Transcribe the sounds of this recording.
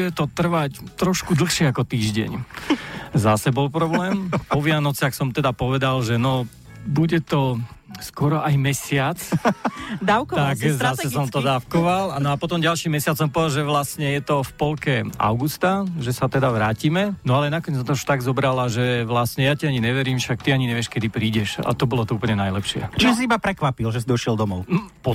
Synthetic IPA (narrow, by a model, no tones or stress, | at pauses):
ɛt̪ɔt̪r̩ʋact̪ɾɔʃkud̪l̩xʃɪɛakɔt̪iːʒɟɛ̰ɲ | zasɛbɔlpɾɔblɛːmpɔʋɪanɔt͡sɪaxsɔmt̪ɛd̪apɔʋɛd̪alʒɛnɔ | buɟɛt̪ɔskwɔɾɔʔajmɛsɪat͡s | d̪aʊkɔt̪akzasɛs̬ɔmt̪ɔd̪aːfkɔʋalanɔapɔt̪ɔmɟalʃimɛsɪat͡ssɔmpɔʋɛd̪alʒɛʋlasɲɛjɛt̪ɔfpɔlkɛa̰ʊɡust̪aʒɛsat̪ɛd̪aʋɾaːcimɛnɔalɛnakɔɲɛd͡zɔt̪ɔuʃt̪aɡzɔbɾalaʒɛʋlasɲɛjaciaɲiɲɛʋɛɾiːmʃak̚t̪iaɲiɲɛʋɪɛʃkɛd̪ipɾiːɟɛʃa̰t̪ɔbɔlɔt̪ɔuːpl̩ɲɛnajlɛpʃɪɛ̰t͡ʃiʒɛs̬iibapɾɛkʋapilʒɛsid̪ɔʃɪɛld̪ɔmɔʊnpɔ